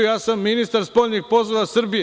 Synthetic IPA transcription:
ujaːsamːinist̪aɾspo̞ʎʲniɡpo̞zoʋasr̩bije

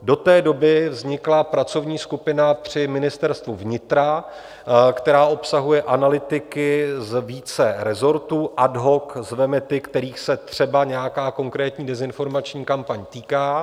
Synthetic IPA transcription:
do̞t̪ɛːdo̞bɪvzɲɪklapɾat͡so̞vɲiːskupɪnapr̝̥ɪmɪnɪst̪ɛɾst̪vuvɲɪt̪ɾa | kt̪ɛɾaːʔo̞psaɦujɛʔanalɪt̪ɪkɪzviːt͡sɛɾɛzo̞ɾt̪uːʔadɦo̞kzvɛmɛt̪ɪkt̪ɛɾiːxsɛt̪r̝̥ɛbaɲɛjakaːko̞ŋkɾɛːt̪ɲiːdɛzɪnfo̞ɾmat͡ʃɲiːkampaɲt̪iːkaː

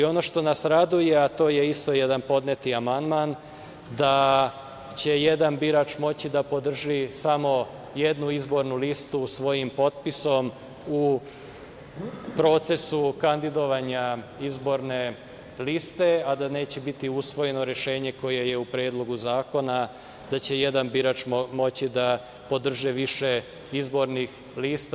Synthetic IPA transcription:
io̞no̞ʃt̪o̞nasɾad̪uje̞at̪o̞ːje̞ist̪o̞je̞d̪anpo̞d̪net̪iamand̪man | d̪a | t͡ɕe̞je̞d̪anbiɾaːt͡ʃmo̞t͡ɕid̪apo̞d̪r̩ʒisamo̞ | je̞d̪nuizbo̞ɾnulist̪usʋo̞jimpo̞t̪̚piso̞m | u | pɾo̞ːt̪se̞sukand̪id̪o̞ʋaɲaizbo̞ɾne̞ | list̪e̞ad̪ane̞ːt͡ɕe̞bit̪iusʋo̞je̞noɾeʃe̞ːɲe̞ko̞je̞je̞upɾe̞ːd̪lˠo̞ɡuzaːko̞na | d̪at͡ɕe̞je̞d̪anbiɾaːt͡ʃmo̞t͡ɕid̪a | po̞d̪r̩ʒiʋiʃe̞ | izbo̞ɾnix | liːst̪

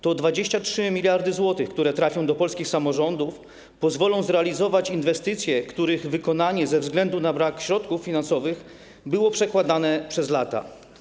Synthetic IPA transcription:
t̪ɔd̪vad͡ʑeɕt͡ɕatʂɘmʲilʲjaɾd̪ɘzwɔt̪ɘxkt̪uɾɛt̪ɾafʲjɔ̃w̃d̪ɔpɔlskʲixsamɔʐɔnd̪uf | pɔzvɔlɔ̃w̃zɾɛalʲizɔvat͡ɕinvɛst̪ɘt̪sʲjɛkt̪uɾɘɣvɘkɔnaɲɛzɛvzɡlɛnd̪unabɾakɕɾɔt̪kufːʲinansɔvɘx | bɘwɔpʂɛkwad̪anɛpʂɛzlat̪a̰

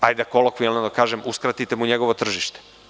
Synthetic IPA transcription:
ajd̪akolokʋujelnad̪akaːʒemuskɾat̪it̪emuɲeɡo̞ʋot̪r̩ʒiʃt̪e̥

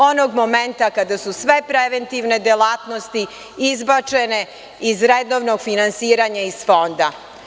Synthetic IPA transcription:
o̞noɡmoment̪akad̪asusʋe̞pɾeʋent̪iʋne̞d̪jelaːt̪nost̪i | izbat͡ʃene̞ | izɾed̪oʋnoɡfinansiːɾaɲaiz̥fo̞nd̪a

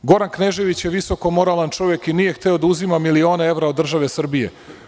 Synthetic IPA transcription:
ɡo̞ɾankneʒe̞ʋit͡ɕjeʋiso̞ko̞mo̞ɾalant͡ʂo̞ʋje̞kinije̞xt̪e̞o̞d̪auzimamilio̞ːnee̞ʋɾaod̪ːr̩ʒaʋe̞sr̩bije̞̰

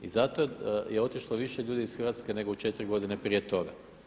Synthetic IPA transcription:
izat̪ojeo̞t̪iʃlˠoʋiʃeʎuːd̪isxrʋat̪skene̞ɡout͡ʃe̞t̪ɾiɡo̞d̪inepɾijet̪o̞ɡa̰

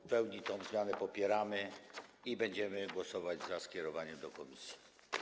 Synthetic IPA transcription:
pɛwɲit̪ɔ̃w̃zmʲjanɛpɔpʲjɛɾamɘ | ibɛɲd͡ʑɛmɘɡwɔsɔvad͡ʑzaskʲɛɾɔvaɲɛmd̪ɔkɔmʲisʲji̥

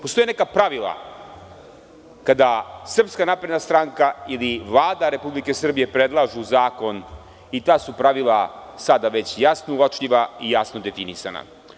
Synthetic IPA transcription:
post̪oenekapɾaʋilˠa̰ | kad̪asr̩pskanapɾed̪nast̪ɾaŋkailiʋlˠaːd̪aɾe̞publike̞sr̩bije̞pɾed̪lˠaʒuzaːko̞n | it̪aːsupɾaʋilˠasad̪aʋe̞t͡ɕjasnouot͡ʂʎiʋaijasnod̪e̞finisa̰na̰

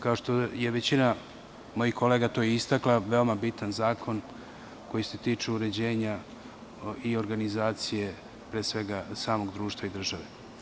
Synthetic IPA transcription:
kao̞ʃt̪o̞jeʋet͡ɕina | mo̞jixko̞le̞ːɡat̪o̞jeist̪aklaʋe̞o̞mabit̪anzaːkʰo̞n | ko̞jiset̪iːt͡ʂeuɾe̞d͡ʑe̞ːɲa | io̞ɾɡanizaːt̪sije̞ | pɾeːsʋe̞ɡasaːmo̞ɡd̪ɾuːʃt̪ʋaid̪r̩ʒaʋe

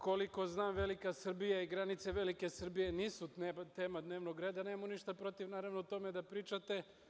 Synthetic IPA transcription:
ko̞liko̞znaːmʋelikasr̩bijaiɡɾanit̪seʋelike̞sr̩bije̞niːsut̪eːmad̪neːʋnoɡɾe̞ːd̪anemmuniʃt̪apɾo̞t̪iʋnaːɾaʋnot̪o̞me̞d̪apɾiːt͡ʃat̪e̞

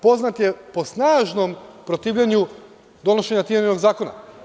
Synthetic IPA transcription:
po̞znat̪je̞po̞snaːʒno̞mpɾo̞t̪iːʋʎaɲu | d̪o̞no̞ʃe̞ɲat̪imenʲeno̞ɡzaːko̞na̰

